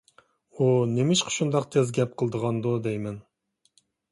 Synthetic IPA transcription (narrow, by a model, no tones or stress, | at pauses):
unemɪʃqʰə̥ʃund̪ɑqt̪ʰezɡʲɛp̚qʰəlˠd̪əʁɑnd̪ud̪ɛjmɛn